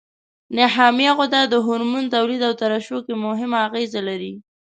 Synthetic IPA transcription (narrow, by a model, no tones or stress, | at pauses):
nɪɦɑmijaɣʊd̪ad̪əɦʊɾmunt̪awlid̪awt̪aɾaʃokemʊɦɪmaːɣezalaɾi